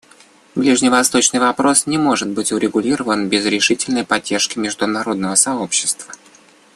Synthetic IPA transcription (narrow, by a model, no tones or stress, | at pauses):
blʲiʐnʲɪvɐst̪o̞t͡ɕnɨjvɐpɾo̞snʲɪmo̞ʐɨt̪̚bɨtʲʊɾʲɪɡʊlʲiɾəvənbʲɪzɾʲɪʂɨtʲɪlʲnəjpɐdʲːerʂkʲɪmʲɪʐd̪ʊnɐɾo̞d̪nəvəsɐopɕːɪ̥st̪v̥ə